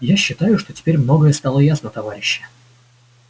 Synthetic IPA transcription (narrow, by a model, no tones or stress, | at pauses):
jaɕːɪt̪ajʊʂt̪o̞tʲɪ̥pʲeɾʲmno̞ɡəjəst̪alˠəjasnət̪ɐvaɾʲɪɕːə̥